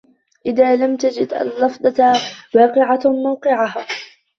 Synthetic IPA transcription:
ʔɪðaːlamt̪ad͡ʒɪd̪ʔa̰lːɑfd̪ˤɑwɑːqɪʕamawqɪʕaɦaː

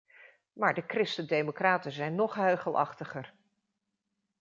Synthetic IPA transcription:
maːɹdəkrɪstədejmokraːtənzɛjnːɔχɦøɥχəlˠʔɑ̰χtəχər

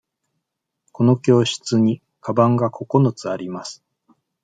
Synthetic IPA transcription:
ko̞no̞kʲo̞ːɕɨ̥t͡sɨɲ̟i | kʰabãŋɡakʰo̞ko̞not͡sɨaɾʲimasɨ̥

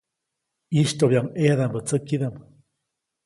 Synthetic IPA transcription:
iʃt̪oβjaŋeaðambət͡səkiðam

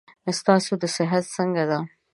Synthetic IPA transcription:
əst̪ɑsod̪əsɪɦat̪səŋɡad̪a

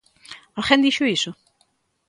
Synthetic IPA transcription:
alχẽnd̪iʃʊisʊ

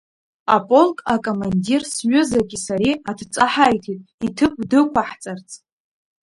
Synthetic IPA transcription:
apʼo̞lkʼakʼomandirsɥʷʊzaɡʲisaɾiatʰt͡sʼaħajtʰitʼitʰɨp̚ʷʰʼdɨkʷaħt͡sʼart͡sʰʼ

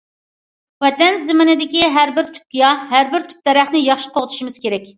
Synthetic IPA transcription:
wɛt̪ɛnzɪmɪnɪd̪ɪkʲiɦæɾbɪɾt̪ʰy̥p̚kʲijɑɦæɾbɪɾt̪ʰy̥p̚d̪̥ɛɾæχnɪjɑχʃi̥qʰoʁt̪ʰu̥ʃimɨz̥kʲeɾɛkʲ

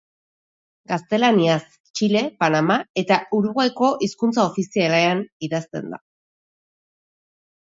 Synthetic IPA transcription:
ɡast̪e̞lanias | t͡ʃile̞panamae̞t̪auɾuɣajko̞ʔiskunt͡saofisialeaniðast̪e̞̰nd̪a̰

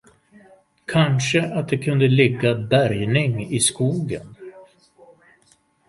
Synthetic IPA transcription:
kʰanʂəʔat̪̚d̪ɛkʰɵnd̪əlɪɡːabæɾjnɪŋɪskuːɡə̰n

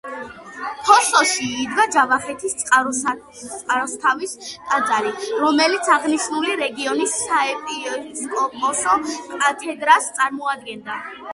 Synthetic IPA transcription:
pʰɔsɔʃiːd̪ɡad͡ʒavaχɛt̪ʰist̪sʼqʼ | t̪sʼqʼaɾɔst̪ʰavist̪ʼad̪zaliɾɔmɛlit̪sʰaʁniʃnuliɾɛɡiɔnisːaɛpʼiɔskʼɔpʼɔsɔkʼat̪ʰɛd̪ɾast̪sʼaɾmɔad̪̚ɡɛnd̪a

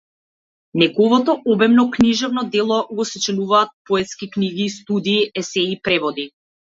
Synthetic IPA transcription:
nɛɡɔvɔt̪ɔʔɔbɛmnɔkniʒɛvnɔd̪ɛlˠɔɡɔsɛt͡ʃɛnuvaːt̪̚pɔɛt̪skikniɡiːst̪ud̪iːɛsɛipɾɛvɔd̪i

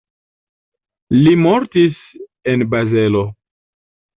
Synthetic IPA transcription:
limoɾtis | enbaze̞lo̞

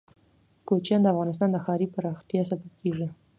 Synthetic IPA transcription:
kot͡ʃjɑnd̪əafɣɑnɪs̬t̪ɑnd̪əxɑɾipaɾɑxt̪jɑs̬abab̚keʐi

